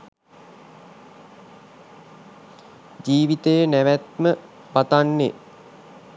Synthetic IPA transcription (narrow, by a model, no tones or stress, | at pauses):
d͡ʒiːʋit̪əjənæʋæt̪̚mə | pat̪anːe